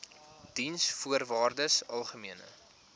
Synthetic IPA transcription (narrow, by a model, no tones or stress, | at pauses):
d̥insfuərvɑːrdəsɐlˠχəmiənə̰